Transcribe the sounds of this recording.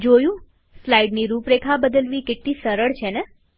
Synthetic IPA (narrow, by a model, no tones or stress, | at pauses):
d͡ʒojũ | slaiɖniɾupɾekʰabəd̪əlʋikeʈnisəɾəɭt͡ʃʰene